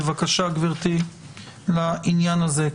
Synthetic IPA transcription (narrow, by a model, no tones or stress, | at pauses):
vakaʃaɡviʁt̪i | lainjanaze